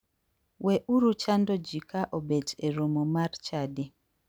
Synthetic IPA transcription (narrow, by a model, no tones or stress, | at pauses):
wɛʔuɾut͡ʃandod͡ʒikaʔobed͡ʒeɾomomart͡ʃade